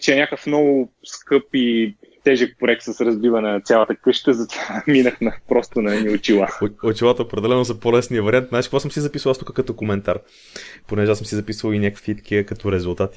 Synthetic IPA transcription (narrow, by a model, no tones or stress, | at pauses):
t͡ʃɛɛnʲakəfnɔɡʊskɤpit̪ɛʒək̚pɛk̚t̪səsɾɐzbivənɐt̪sʲalˠət̪əkɤʃt̪əzɐt̪v̥aminəxnɐpɾɔst̪onɐɛniʊt͡ʃilˠaot͡ʃilˠat̪əopɾɛd̪ɛlɛnosɐpolɛsnijəvɐɾiant̪nat͡ʃi̥kvasəmsizɐpisvəlˠast̪ukəkɐt̪ɔkomɛnt̪aɾ | ponɛʒɛasəmsizɐpisvəlinʲakəkvit̪k̟iəkɐt̪ɔɾɛzulˠt̪at̪i̥